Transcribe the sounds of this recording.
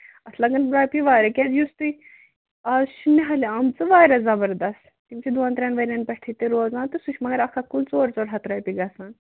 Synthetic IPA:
ɐsʰlɐɡɐnɾajpiʋaːɾɐkʲadjust̪ɨj | aʃiniɦɐleamt͡sɨʋaːɾɐzɐbəɾd̪ɐst | t̪imt͡ʃid̪uãnt̪ɾʲaːnʋɐɾʲjanpɐʈʰit̪eɾoːzãːnt̪ɨsuʃʰʲmɐɡɐɾɐkʰakult͡soːɾt͡soːɾɦɐt̪ɾaːjpiɡɐsaːn

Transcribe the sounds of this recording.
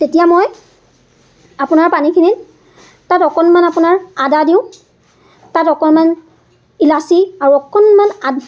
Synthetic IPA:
tetijamoj | apʊnaɹpanikʰinin | tatɔkɔnmanapunaɹadadiʊ̃ | tatɔkɔnman | ilasiaɹuɔkɔnmanad

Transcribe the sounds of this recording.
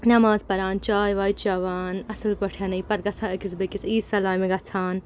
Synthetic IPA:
nɐmaːzpɐɾaːnt͡ʃaːjʋaːit͡ʃɐʋaːnɐsɐlpɐʈʰjɐnɐipɐt̪̚ɡɐt͡sʰãːɐkisbɐkisiːsɐlaːmiɡɐt͡sʰaːn

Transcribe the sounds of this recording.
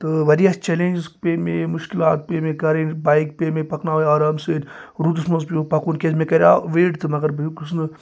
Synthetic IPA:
t̪ɨʋɐɾiast͡ʃeleːnd͡ʒzpememuʃkilaːt̪̚pemẽkɐɾenbaːjk̚pemepɐknaːʋjaːɾaːmseːtʲɾud̪usmɐnzpipɐkuːnkʲesmekɐɾʲa̰ːʋeːʈt̪ɨmɐɡɐɾbɐukus̬nɨ

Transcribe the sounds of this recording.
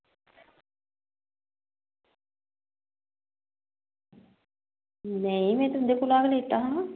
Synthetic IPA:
neĩmet̪und̪ekulaːkəleʈːaɦa

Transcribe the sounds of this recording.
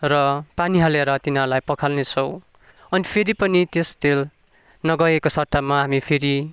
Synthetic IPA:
rʌpaniɦaleɾʌt̪inalajpʌkʰalnet͡sʰʌw̃ | ʌnipʰeɾipʌnit̪est̪ʰel | nʌɡʌekosʌʈːamaɦamipʰeɾi

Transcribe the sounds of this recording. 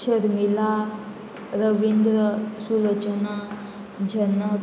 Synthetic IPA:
ɕəɾmila | ɾəʋind̪ɾəsulət͡ʃəna | d͡ʑʱənə

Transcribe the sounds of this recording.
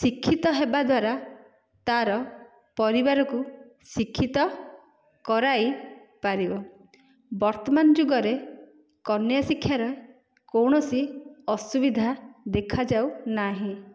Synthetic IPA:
sikʰːit̪ɔɦebad̪waɾa | t̪aɾɔ | pɔɾibaɾɔku | sikʰːit̪ɔ | kɔɾajpaɾibɔ | bɔɾt̪ɔmand͡ʒuɡɔɾe | kɔnjasikʰːjaɾɔ | kowɳ̃ɔsiɔsubid̪ʱad̪ekʰad͡ʒawnaɦĩ

